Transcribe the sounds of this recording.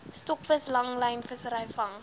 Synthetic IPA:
stɔkfəslɐŋlɐjnfəsəɾɐjfɐŋ

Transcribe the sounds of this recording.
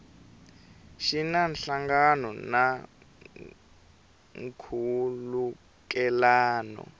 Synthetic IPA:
ʃinanɬaŋɡanɔna | ŋkʰulu | kɛlaːnɔ̰

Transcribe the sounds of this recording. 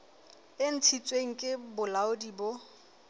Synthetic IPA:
ɪn̩t͡sʰit͡sʼweŋ̩kʼɪbʊlaʊdibo

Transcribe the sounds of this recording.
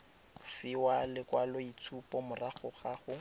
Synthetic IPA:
fɪwalɪkwalɔit͡sʰupɔmʊraχʊχaχʊ

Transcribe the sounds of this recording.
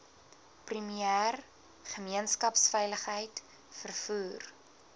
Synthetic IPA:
primiæːr | χəmiənskɐpsfɛjləχɦəjt | fərfuːr

